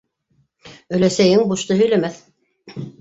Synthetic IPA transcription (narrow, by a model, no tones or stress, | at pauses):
ɵ̆læsæjɘŋbuʃt̪ɤɦɵ̆jlæmæθ